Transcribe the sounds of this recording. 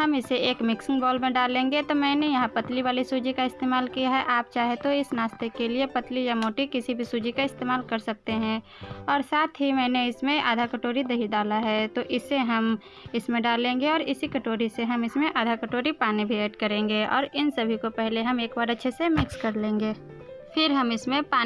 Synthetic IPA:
ɦɐmɪseeːkmɪksɪ̃ŋɡbɔːlmẽɖaːlẽːŋɡet̪omɛ̃ːnejɐɦãpɐt̪liʋaːlisuːd͡ʒikaɪst̪eːmaːlkijaɦɛʔaːp̚t͡ʃaːɦet̪oɪsnaːst̪ekeliepɐt̪lijamoːʈikɪsibʱisuːd͡ʒikaɪst̪eːmaːlkɐɾsɐk̚t̪eɦɛ̃ː | ɔːɾsaːt̪ʰɦimɛ̃ːneɪsmẽʔa̰ːd̪ʱakəʈoːɾid̪ɐɦiɖ̪aːlaɦɛːt̪oʔɪseɦɐm | ɪsmẽɖaːlẽːŋɡeɔːɾɪsikɐʈoːɾiseɦɐmɪsmẽʔaːd̪ʱakəʈoːɾipaːnibʱieːʈkɐɾẽːŋɡeɔ̰ːɾɪnsɐbʱikopɛɦleɦɐmeːkbaːɾətːʃʰesemɪkskɐɾlẽːŋɡeː | fʰɪɾɦɐmɪsmẽpaː

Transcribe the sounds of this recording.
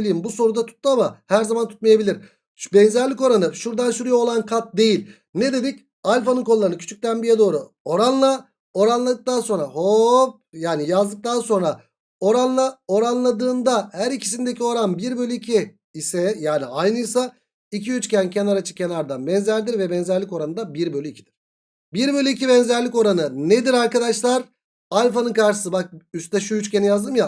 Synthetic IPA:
lʲejimbuso̞ɾud̪at̪ʰu̥t̪ːɯamahæɾzamant̪ʰu̥t̪̚majabilʲiɾ̥ | bɛnzæɾlʲico̞ɾanɯʃuɾd̪ansyɾyjaolˠankʰat̪̚d̪e̞jilʲ | ned̪e̞d̪ic | alʲfanɯnkʰo̞ːaɾɯnɯkcʰy̥t͡ʃʰyc̚ʲt̪ænbijɛd̪o̞ːɾu | o̞ɾanlˠa | o̞ɾanlˠad̪ɯk̚t̪anso̞nɾahop̚jaːnijazd̪ɯk̚t̪anso̞nɾa | o̞ɾanlˠao̞ɾanlˠad̪ɯːnd̪ahæɾicʰi̥s̬ind̪e̞cʰio̞ɾanbiɾbø̞lʲyicʰiː | sɛjaːniajnɯjsa | icʰiyt͡ʃcʰæncʰenaɾat͡ʃʰɯ̥cʰenaɾd̪anbɛnzæɾd̪iɾvɛbɛnzæɾlʲiko̞ɾanɯd̪abiɾbølʲyicʰid̪̥iɾ̥ | biɾbø̞lʲyicʰibɛnzæɾlʲiko̞ɾanɯned̪iɾaɾkad̪aʃlˠaɾ | alʲfanɯnkaɾʃɯ̥sɯbak̚yst̪ɛʃujyt͡ʃcʰenijazd̪ɯmja

